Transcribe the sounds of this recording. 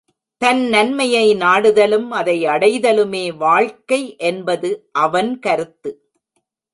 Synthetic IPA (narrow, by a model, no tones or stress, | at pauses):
t̪ɐnnɐnmɐjɐɪnaːɽɯðɐlɯmɐðɐɪɐɽɐɪðɐlɯmeːʋaːɻkɐɪʔɛnbɐðɯʔɐʋɐnkɐɾɯt̪ːɯ